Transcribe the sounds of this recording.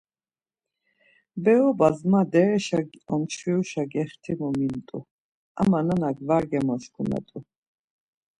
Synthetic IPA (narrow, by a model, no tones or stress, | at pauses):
bɛɔbazmad̪ɛɾɛʃaɡɔmt͡ʃʰviuʃaɡɛχt̪ʰimɔmint̪ʼṵ | a̰mananaɡvaɾɡɛmɔʃkʰuna̰t̪ʼu